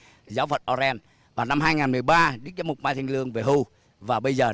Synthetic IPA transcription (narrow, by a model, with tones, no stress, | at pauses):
zaː˨˦wvə˨˩t̚ʔɔ˧zɛ˧n | vaː˨˩na˧mɦaː˧jŋaː˨˩nmɨ˨˩əjɓaː˧ɗɨ˦˥k̚zaː˨˦mʊ˨˩k͡p̚maː˧jt̪ʰi˧ŋlɨ˧əŋve˨˩ɦu˧ | vaː˨˩ɓə˧jzəː˨˩